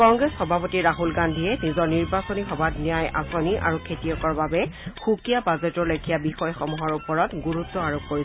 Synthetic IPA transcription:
kɔŋɡɹesxɔbʱapotiɹaɦulɡandʱiɛnizɔɹniɹbasonixɔbatnijajʔa̰soniʔa̰ɹukʰetijɔkɔɹbabɛxukijabazetɔɹlokʰijabixɔjxɔmɔɦɔɹupɔɹɔtɡuɹutːɔaɹokːkoɹiɛ

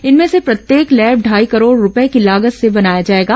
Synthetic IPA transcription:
ɪnmẽsepɾɐt̪jeːklɛːbɖʱaːikɐɾoːɽɾʊpɛekilaːɡəssebɐnaːjad͡ʒaːeːɡaː

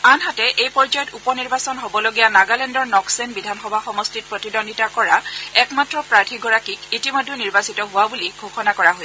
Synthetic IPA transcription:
anɦatɛʔejpɔɹzajɔtupɔniɹbasɔnɦobɔloɡijanaɡalɛndɔɹnɔksenbidʱanxɔbʱaxɔmɔstit̚pɹɔtidɔnditakɔɹaɛkmatɹɔpɹaɹtʰiɡɔɹakikitimodʱːeniɹbasitɔɦʊwabuliɡʱoxɔnakɔɹaɦojsɛ

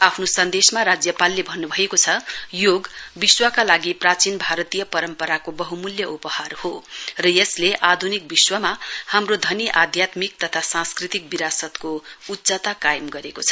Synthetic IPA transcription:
apʰnosʌnd̪esmaɾad͡zjʌpalːebʱʌnːubʱʌekot͡sʰʌjoɡbiswakalaɡiprat͡sinbʱaɾʌt̪ijʌpʌɾʌmpʌɾakobʌɦumuljʌʔupʌharhorʌjʌsleʔad̪ʱunik̚biswʌmahamrod̪ʱʌniʔad̪ʱjat̪mik̚t̪ʌt̪ʰasãnskrit̪ik̚biɾasʌt̪koutːd͡zat̪akajʌmɡʌɾekot͡sʰʌ̥

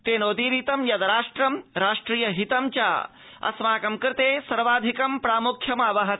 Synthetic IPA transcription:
t̪eːnoːd̪iːɾiːt̪ɐmjɐd̪ɐɾaːʂʈɾɐmɾaːʂʈɾiːjɐɦit̪ɐmt͡ʃa̰ː | ɐ̰smaːkɐmkɾt̪eːsɐɾʋaːd̪ʱikɐmpɾaːmukʰjɐmaːʋɐɦɐt̪

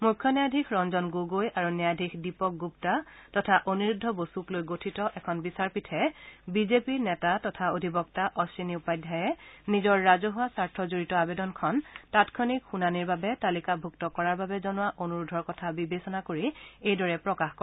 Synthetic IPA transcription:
mukʰːɔnɛjadʱikʰɹɔnzɔnɡoɡojaɹunɛadʱikʰdipɔk̚ɡuptatɔtʰaʔonuɹudʱːɔbosuklojɡotʰitɔʔɛkʰɔnbisaɹpitʰɛbizepinɛtatɔtʰaodʱibɔk̚taʔɔsiniupajdʱːajɛnizɔɹːazɔɦʊasaɹtʰɔzoɹitɔabɛdɔnkʰɔntatkʰɔnikxunaniɹbabɛtalikabʱuktɔkɔɹaɹbabɛzɔnʊwaʔonuɹudʱɔɹkɔtʰabibesɔnakoɹiejdɔɹɛpɹɔkaxkɔɛ

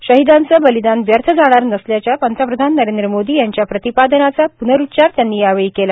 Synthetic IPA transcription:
ɕəɦid̪ãnt͡səbəlid̪anʋjəɾt̪ʰəd͡zaɽ̃aɾnəsljat͡ɕjapənt̪ʰapɾəd̪ʱanːəɾend̪ɾəmod̪iːjaɲt͡ɕjapɾət̪ipad̪ənat͡sapunəɾut̪ːɕaɾt̪janːiːaʋeɭiːkela

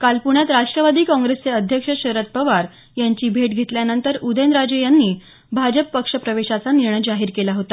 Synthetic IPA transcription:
kalpuɳjat̪ɾaʂʈɾəʋad̪iːkɔ̃ŋɡɾest͡seəd̪ʱjəkʂəɕəɾət̪̚pəʋaɾ | jaɲt͡ɕiːbʱeʈɡʱet̪ljanənt̪əɾud̪ʱend̪ɾad͡ʑejanːiː | bʱad͡ʑəpːəkʂəpɾəʋeɕat͡saniɾɳəjd͡zaɦiːɾkelaɦot̪a

